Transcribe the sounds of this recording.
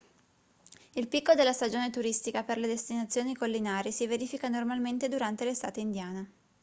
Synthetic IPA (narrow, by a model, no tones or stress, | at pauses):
ilpikːod̪elːast̪ad͡ʒoːnet̪uɾist̪ikaperled̪est̪inat̪sːjoːnikolːinaːɾisiveɾiːfikanormalment̪ed̪uɾant̪elest̪aːt̪eind̪jaːne